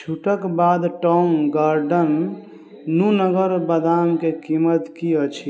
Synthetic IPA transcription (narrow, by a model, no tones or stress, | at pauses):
t͡ʃʰuʈəkbad̪ʈɔŋɡaɾɖənː | unəɡəɾbəd̪amkekimət̪kiət͡ʃʰi